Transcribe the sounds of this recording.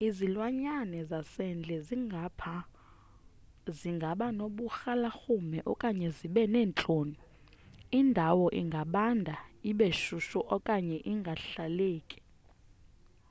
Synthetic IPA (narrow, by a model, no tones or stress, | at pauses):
izilwaɲanɛzasɛnd͡ɮʱɛzipʰa | ziŋɡʱaɓanoɓuxalaxumɛʔɔkʼaɲɛziɓɛnɛːnt͡ɬʼoːni | indʱawɔʔiŋɡʱaɓandʱaiɓeʃuʃɔʔɔkʼaɲɛʔiŋɡʱaɬaleːkʼi̥